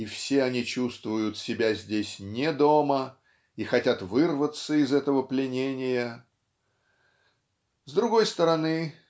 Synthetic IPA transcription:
ifsʲeɐnʲit͡ɕust̪vʊjʊt̪sʲɪbʲazʲdʲesʲnʲed̪o̞mə | ixɐtʲat̪vɨrvət̪səɪzɛt̪əvəplʲɪnʲenʲɪjə | zd̪ɾʊɡo̞jst̪əɾɐnɨ

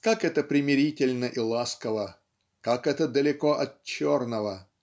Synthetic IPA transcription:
kakɛt̪əpɾʲɪmʲɪɾʲitʲɪlʲnəʔilˠaskəvə | kakɛt̪əd̪əlʲɪkoʔɐt̪̚t͡ɕornəvə

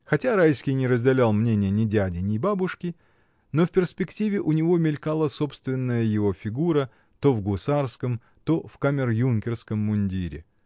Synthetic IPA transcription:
xɐtʲaɾajskʲɪjnʲɪɾəzʲdʲɪlʲalˠmnʲenʲɪjənʲɪdʲædʲɪnʲɪbabʊʂkʲɪ | no̞fpʲɪrspʲɪktʲivʲɪʔʊnʲɪvo̞mʲɪlʲkalˠəso̞pst̪vʲɪnːəjəjɪvo̞fʲɪɡuɾə | t̪o̞vɡʊsarskəm | t̪o̞fkamʲɪrjunkʲɪrskəmːʊnʲdʲiɾʲɪ̰

